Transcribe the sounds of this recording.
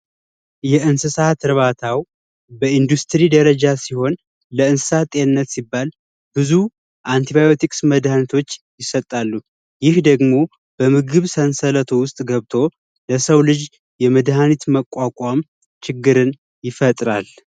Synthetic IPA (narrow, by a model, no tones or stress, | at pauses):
jɛʔɨnsɨsat̪ʰɨɾβat̪ʰaw | bəind̪ust̪ʰɾid̪əɾəd͡ʒasiho̞n | ləɨnsɨ̥sat̪ʼenɨnːət̪sibːal | b̥ɨzu | ʔant̪ʰiβajo̞t̪ʰikʼsməd̪hanit̪ʰo̞t͡ʃːjɪsət̪ʼːalːu | jɪhd̪əɡmo̞ | b̥əmɨɡɨβsənsələt̪ʰowʊst̪ʼɡəβt̪ʰo̞ | ləsəwlɨd͡ʒ | jɛməd̪hanit̪məkʷʼːakʼam | t͡ʃʰɪɡːɨɾɨn | jɪfət̪ʼɾal